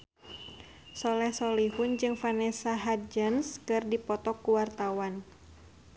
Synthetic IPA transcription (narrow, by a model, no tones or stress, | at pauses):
sɔlɛhsɔlihund͡ʒɨŋfanɛsaɦad͡ʒənskɨrdipɔt̪ɔkːuwart̪awan